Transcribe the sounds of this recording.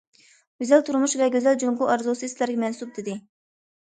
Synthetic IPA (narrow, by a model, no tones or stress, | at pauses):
ɡ̥ʲøzælt̪ʰuɾmuʃvɛɡʲøzæld͡ʒoŋquʔɑɾzusɨslæɾɡʲɛmɛnsup̚d̪ɪd̪ɪ